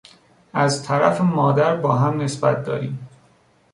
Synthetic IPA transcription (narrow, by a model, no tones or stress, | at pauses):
ʔæzt̪ʰæɾæfemɒːd̪æɾbɒːɦæmne̞sbæt̪̚d̪ɒ̰ːɾiːm